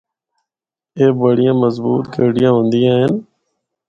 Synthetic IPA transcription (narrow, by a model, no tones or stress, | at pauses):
eːbəɽɪjãːməzbṵːt̪keːɽijãːɦõːnd̪ɪjãːɦɪn